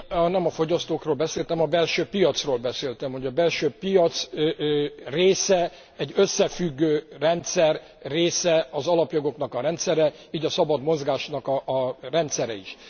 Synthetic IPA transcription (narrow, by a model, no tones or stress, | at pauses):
nɛmɒfo̞ɟɒst̪oːkroːlbɛseːlt̪ɛmɒbɛlʃøːpijɒt̪sroːlbɛseːlt̪ɛmho̞ɟɒbɛlʃøːpijɒt̪s | reːsɛ | ɛɟːø̞sːɛfyɡːøːrɛnt̪sɛrː | eːsɛɒzɒlɒpjoɡo̞knɒkɒɾɛnt̪sɛɾɛ | iːɟɒsɒbɒd̪mo̞zɡaːʃnɒkɒrɛnt̪sɛɾɛ̰iʃ